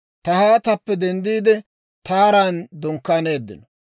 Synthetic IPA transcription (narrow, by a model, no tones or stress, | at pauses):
t̪ɐhaːt̪ɐpːɛd̪ɛnd̪iːd̪ɛ | t̪aːɾaːnd̪ɔŋkːaːne̞ːd̪ːɪ̰nɔ